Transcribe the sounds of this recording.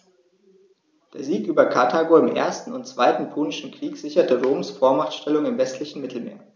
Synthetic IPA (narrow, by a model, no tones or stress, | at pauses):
d̥eːɐziːkʔyːbɐkʰatʰaːɡoɪmʔḛːɐstn̩ʊntt͡sv̥aɪtn̩pʰoːnɪʃn̩kʁ̥iːkz̥ɪçɐtəʁoːmsfoːɐmaχtʃtɛlʊŋɪmvɛstʰlɪçn̩mɪtʰl̩mḛːɐ